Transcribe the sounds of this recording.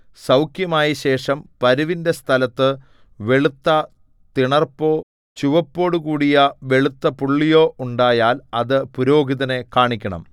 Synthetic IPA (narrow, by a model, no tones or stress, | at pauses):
sɐwkjɐmaːjiɕe̞ːʂɐmpɐɾuʋinde̞st̪ʰɐlɐt̪ːɨ | ʋe̞ɭut̪ːɐ | t̪iɳɐrpo̞ː | t͡ɕuʋɐpːo̞ːɽuɣuːɽijɐʋe̞ɭut̪ːɐpuɭːijo̞ːʔuɳɖaːjaːlɐðɨpuɾo̞ːɡiðɐne̞kaːɳikʲːɐɳɐ̰m